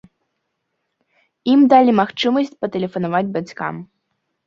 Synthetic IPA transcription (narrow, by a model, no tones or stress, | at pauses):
imd̪alʲimaxt͡ʂɨmɐsʲt͡sʲpɐt̪ɛlʲɛfɐnavad͡zʲbat͡sʲka̰m